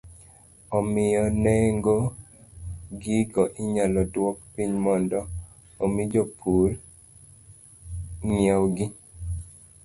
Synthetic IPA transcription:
ɔmɪjɔnɛŋɡo | ɡiɡɔʔɪɲalɔdwɔk̚piɲmɔndɔ | omid͡ʒopʰuɾ | ŋjawɡɪ

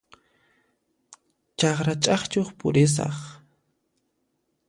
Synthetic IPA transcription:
t͡ʃɑχɾat͡ʃʼɑχt͡ʃoχpʊɾɪs̬ɑ̰χ

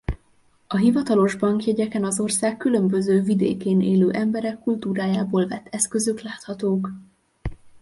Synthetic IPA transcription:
ɒɦivɒt̪ɒlo̞ʒbɒŋkjɛɟɛkɛnɒzo̞rsaːkːylø̞mbø̞zøːvid̪ḛːkeːneːløːʔɛmbɛɾɛkːult̪uːɾaːjaːboːlvɛt̪ʰːɛskø̞zøklaːt̪hɒt̪oːk

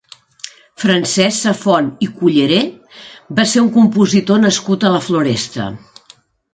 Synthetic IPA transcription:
fɾənsɛsəfɔnikuʎəɾebaseɾuŋkumpuzit̪onəskut̪ələfluɾɛst̪ə̰

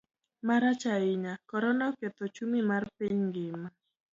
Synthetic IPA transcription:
maɾat͡ʃaɪɲakɔɾɔnɔket̪ot͡ʃumimarpiɲɡɪma

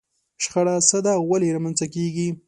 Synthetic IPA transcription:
ʃxaɽasəd̪awaleɾamanzakeɡi

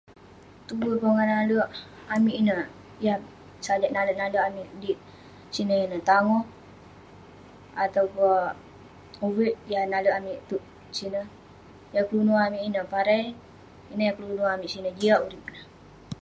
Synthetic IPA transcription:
t̪ubupoŋanaləʔ | amiʔinə | jah | saləʔnaləʔnaləʔamiʔdiʔ | sinəinət̪aŋɔh | at̪aupo | uwiʔjahnaləʔamiʔt̪uʔ | sinə | jaklunuamiʔinəpaɾaj | inəjaklunuamiʔsinəd͡ʒiaʔuɾip̚nəh

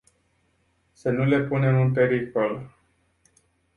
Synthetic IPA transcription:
sənule̞pune̞mɨnp̬e̞ɾiko̞l

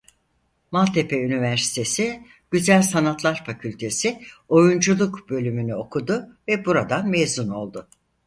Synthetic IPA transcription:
malˠt̪ʰepʰeynivæɾsi̥t̪ʰe̞sɪ | ɟ̥yzælʲsanat̪lˠaɾfacʰylʲt̪ʰe̞sɪo̞jund͡ʒulˠukbø̞lʲymynyo̞kʰud̪ʊvɛbuɾad̪anmejzuno̞lˠd̪ʊ

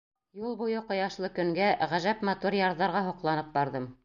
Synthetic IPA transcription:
julˠbujɤqŏjɑʃlˠɤkɵ̆ŋɡæʁæʒæpmɑt̪uɾjɑɾðɑɾʁɑɦuqlˠɑnɤp̚bɑɾðɤm

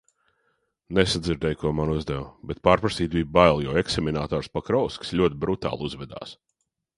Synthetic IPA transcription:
nesad̪ziɾd̪ɛjkuɔmanuzd̪ɛwbɛt̪̚paːɾpɾasiːt̪̚biːbajlˠjɔɛksemʲinaːt̪ɔːɾspakɾɔwskslʲuɔt̪̚ʲbɾut̪a̰ːlˠuzvɛd̪a̰ːs

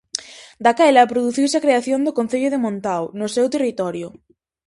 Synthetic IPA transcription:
d̪akajlapɾoðuθiwsakɾeaθjond̪okon̟θeʎʊðemõnt̪awnosewt̪erit̪ɔɾjʊ

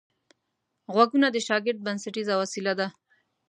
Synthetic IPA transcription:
ɣwaɡunad̪əʃɑɡɪɾt̪̚bansaʈizawasilad̪a

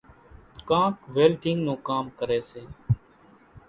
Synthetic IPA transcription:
kãːkʋeːlʈɪ̃ŋɡnũːkaːmkəɾeːseː

